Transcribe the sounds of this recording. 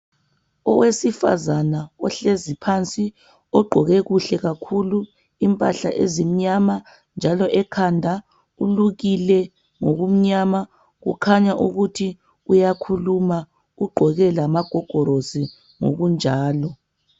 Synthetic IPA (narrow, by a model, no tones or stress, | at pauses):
ɔwesifa̰zanaɔɬezipʰant͡sʼi | ɔɡ͡ǃʱɔɣɛɣuɬɛɣakʰulu | impʼaɬa̰ʔezim̩ɲama | nd͡ʒʱalɔʔɛkʰandʱa | uluɣilɛ | ŋoɣum̩ɲama | ɣṵkʰaɲaʔuɣutʰi | ujakʰuluma | uɡ͡ǃʱɔɣɛlamaɡ̥ʱɔɡ̥ʱɔɾozi | ŋo̰ɣund͡ʒʱaːlɔ